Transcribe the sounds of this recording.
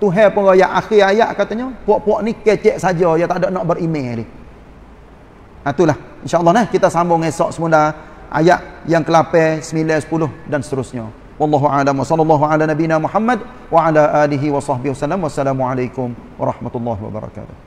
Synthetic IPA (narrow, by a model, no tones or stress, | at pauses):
t̪uɦɛpəŋɣajaʔaxɪajaʔkat̪aɲɔpuɔʔpuɔʔnikɛt͡ʃɛʔsad͡ʒɔjat̪adɔʔnɔʔbəɾimelɪh | at̪ulah | ɪnʃaʔlˠˤːɑhnahkit̪asambʊŋesɔʔsəmula | ʔa̰jaʔjaŋkəlapɛsəmilɛsə̥pulʊhdansət̪əɾʊsɲa | wɑlˤːɑːɦualamwasɑlːɑlˤːɑɦuʕalanabinamuħamːad̚ | waʕalaʔaliɦiwɑsɑhbɪhwasalamwasːalamuʕalajkʊmwɑ̰ɾˤɑhmat̪ulːɑɦiwa̰ba̰ɾˤɑ̰ka̰ːt̪ʊ̥h